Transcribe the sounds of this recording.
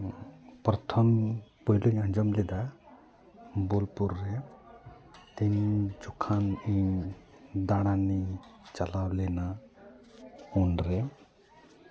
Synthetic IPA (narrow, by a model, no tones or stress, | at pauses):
pɾɔt̪ʰɔmpɔjluɲaɲd͡ʒɔmlɛd̪a | bolpuɾːɛ | t̪iɲd͡ʒukʰaniɲ | d̪aɽ̃anit͡ʃalawlɛna | unɾɛ